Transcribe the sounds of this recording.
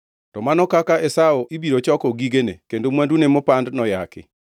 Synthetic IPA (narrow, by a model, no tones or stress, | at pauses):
tɔmanɔkakaʔɛsaoʔibiɾot͡ʃɔkɔɡiɡenḛkendomwandunemopandnɔjakɪ̰